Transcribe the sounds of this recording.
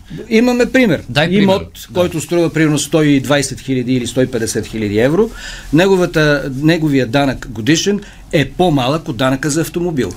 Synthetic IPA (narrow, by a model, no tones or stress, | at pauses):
imɐmɛpɾimɛɾd̪aimɔt̪ | kɔjt̪ʊst̪ɾuvəpɾimɛɾnost̪ɔid̪vajsɛt̪xilʲɐd̪iːlist̪ɔipɛd̪ɛsɛt̪xilʲɐd̪iɛvɾonɛɡovət̪ənɛɡovijəd̪anəkɡod̪iʃɛn | ɛpomalˠəkod̪ːanəkəzɐːft̪omobḭlˠ